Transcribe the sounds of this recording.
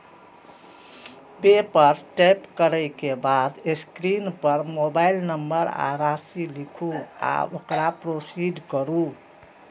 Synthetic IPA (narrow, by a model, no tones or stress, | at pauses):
bepəɾʈepkəɾəɪkebad̪eskɾinpəɾmobailnəmbəɾa̰ɾasilikʰua̰okɾapɾosiɖkəɾu